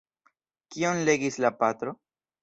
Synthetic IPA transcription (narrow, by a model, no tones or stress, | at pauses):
kio̞nle̞ɡislapat̪ɾo̞